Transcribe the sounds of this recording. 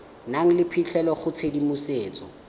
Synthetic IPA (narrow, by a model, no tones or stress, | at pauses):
naŋ̩lɪpʰit͡ɬʰɛlɔχʊt͡sʰedimʊseːt͡sɔ̰